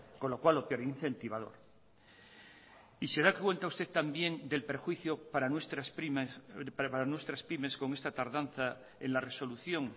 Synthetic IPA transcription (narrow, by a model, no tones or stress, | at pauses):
ko̞no̞kwalo̞pjoɾiinθe̞nt̪iβ̞að̞o̞̰ɾ | ise̞ðakwe̞nt̪aust̪e̞tt̪ambje̞nd̪e̞lpɾexwiθjo̞paɾanwe̞st̪ɾaspim | paɾanwe̞st̪ɾaspime̞sko̞ŋe̞st̪at̪aɾðan̟θa | enlare̞so̞luθjo̞ŋ